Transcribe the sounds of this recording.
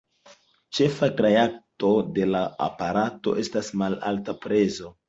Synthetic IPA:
t͡ʃe̞fakɾeak̚to̞de̞laa̰paɾato̞̰ʔe̞stasmala̰ltapɾe̞zo̞

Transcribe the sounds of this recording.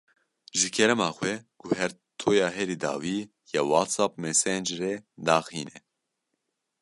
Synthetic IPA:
ʒɨkʰɛɾɛmaːxwɛkʰuɦɛɾ | t̪ʰoːjaːɦɛɾiːd̪a̰ːwiː | jɛwaːt̪saːp̚mɛsɛnd͡ʒɾɛd̪aːxiːnɛ

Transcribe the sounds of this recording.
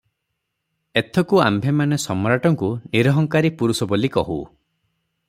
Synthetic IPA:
et̪ʰɔkuambʱemanesɔmɔɾaʈɔŋkuniɾɔɦɔŋkaɾipuɾusɔbolikɔɦṵ

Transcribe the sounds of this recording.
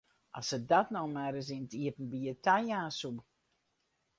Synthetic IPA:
ʔasədatnowmɛɾəs̬intiəpn̩biətʰajaːsub

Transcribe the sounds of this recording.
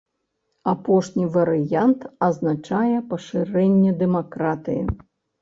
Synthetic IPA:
apɔʂnʲivɐɾɨjant̪ɐznat͡ʂajɛpɐʂɨɾɛnʲːɛd̪ɛmakɾat̪ɨjḭ

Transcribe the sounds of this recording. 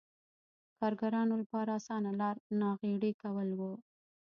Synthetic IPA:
kɑɾɡaɾɑnolapɑɾaːsɑnalɑɾnɑɣeɽekawəlwu

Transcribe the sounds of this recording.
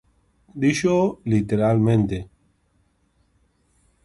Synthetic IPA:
d̪iʃolit̪eɾalmẽnt̪e

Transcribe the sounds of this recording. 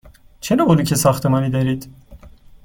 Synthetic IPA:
t͡ʃʰeɾoboluːcʰesɒxt̪ʰemɒːniːd̪eɾiːd̪̥

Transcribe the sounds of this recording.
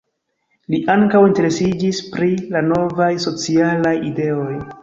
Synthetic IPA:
liʔaŋkawinte̞ɾe̞sid͡ʒispɾilano̞vajso̞t͡sialajide̞o̞j

